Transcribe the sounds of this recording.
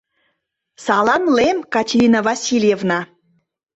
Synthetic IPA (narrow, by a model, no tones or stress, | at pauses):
sɑlɑmlemkɑtʲeɾʲinəvɑsʲilʲjevnɑ